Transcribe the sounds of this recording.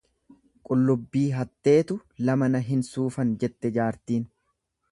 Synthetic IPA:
kʼʊlːʊbːiːɦɐt̪ːe̞ːt̪ʊlɐmɐnɐɦɪnsuːfɐnd͡ʒɛt̪ːɛd͡ʒaːɾt̪iːn

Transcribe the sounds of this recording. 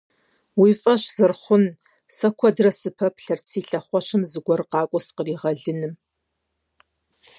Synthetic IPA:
wiːfʼɐʃz̥ɨrχʷʊn | sɐkʷʰɔdrɐsɨpʰɐpʰɬɐrt͡sʰiːɬɐχʷɔʃɨmzɨɡʷɔrqɑːkʷʼɔsqəriːʁɐɮɨnɨm

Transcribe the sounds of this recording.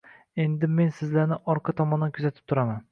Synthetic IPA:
e̞nd̪ɪme̞nsɪzlaɾnɪʔɒɾqʰɑt̪ʰɒmɒnankʲʰʊzat̪ʰɪ̥p̚t̪ʰʊɾaman

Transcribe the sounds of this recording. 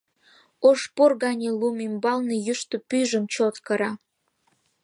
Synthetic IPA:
oʃpurɣɑnʲelumimbɑlnejyʃt̪opyʒə̆mt͡ɕot̪kɤɾɑ

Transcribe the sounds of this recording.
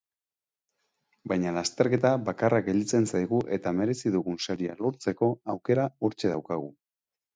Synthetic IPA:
bajɲalast̪e̞ɾke̞t̪aβakarakɡe̞ld̪it͡se̞nsajɣuʔe̞t̪ame̞ɾe̞siðuɣunsaɾia̰lo̞ɾt͡se̞ko̞awke̞ɾaoɾt͡ʃe̞ð̞awkaɣ̞u

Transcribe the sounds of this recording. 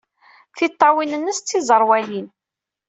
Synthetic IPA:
θit̪ˤːɑwinənːəst͡sːizˤəɾˤwælin

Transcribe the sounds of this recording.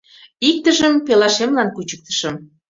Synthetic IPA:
ik̚t̪əʒəmpelɑʃemlɑnkut͡ɕə̥k̚t̪ə̥ʃə̆m

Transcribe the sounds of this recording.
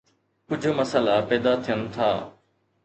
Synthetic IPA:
kʊd͡ʒʱoməsəlapɛːd̪at̪ʰijənt̪ʰa̰ː

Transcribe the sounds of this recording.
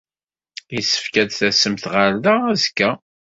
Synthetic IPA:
jisːə̥fkædθæsːəmθʁəɾðaæzkːæ

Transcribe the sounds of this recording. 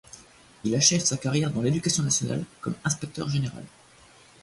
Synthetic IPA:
ilaʃɛvsakaʁjɛʁd̪ɑ̃led̪ykasjɔ̃nasjɔna̰lkɔmɛ̃spɛk̚t̪œ̰ʁʒeneʁa̰l

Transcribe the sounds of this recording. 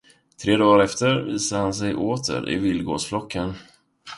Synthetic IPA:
t̪ʰɾeːd̪ɑːɾɛft̪əɾviːsahansɛjʔoːt̪ʰə̰ɾɪ̰vɪlɡo̰ːsflɔkʰːən

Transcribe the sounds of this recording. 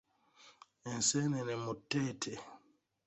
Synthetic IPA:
ɛnsɛnɛnɛmɔtːɛtʰɛ

